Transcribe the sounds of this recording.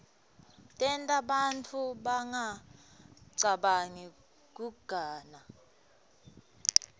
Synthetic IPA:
tʼɛntʼaɓant͡fʰuɓaŋa | ǀaɓaŋi | k̬ʼuɡ̥ʱaːna

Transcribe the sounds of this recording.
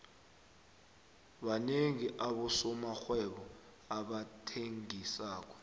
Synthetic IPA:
ɓaneŋiʔaɓusɔmaxwɛɓɔ | aɓatʰeŋisaːk̬ɔ̥

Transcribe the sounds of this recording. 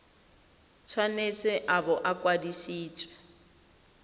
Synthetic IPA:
t͡sʰwanet͡sʼɛʔabɔʔakʼwadisiːt͡sʼwɛ

